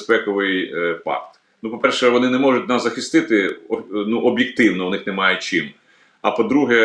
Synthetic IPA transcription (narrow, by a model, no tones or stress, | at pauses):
spɛkɔʋɪjpɑ̰kt̪ | nupɔpɛrʃɛʋɔnɪnɛmɔʒʊt̚ʲnɑszɐxɪst̪ɪt̪ɪɔnuʔɔbʲjɪk̚t̪ɪwnɔʋwnɪxnɛmɑjɛt͡ʃɪm | ɐpɔd̪ɾuɦɛ